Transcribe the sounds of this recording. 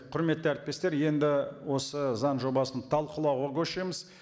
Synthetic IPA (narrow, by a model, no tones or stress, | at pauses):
qʰʊɾme̞t̪ːɪæɾɪt̪̚pe̞st̪e̞ɾje̞nd̪ɪwo̞səzɑnʒo̞bɑsənt̪ʰɑlˠqəlˠɑwʁɑkʲʰɵʃejməz